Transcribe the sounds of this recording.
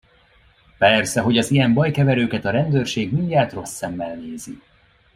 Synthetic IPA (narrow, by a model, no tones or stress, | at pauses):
pɛrsɛɦo̞ɟɒzijɛmbɒjkɛvɛɾøːkɛt̪ɒɾɛnd̪øːrʃeːɡmiɲɟaːt̪ro̞sːɛmːɛlneːzi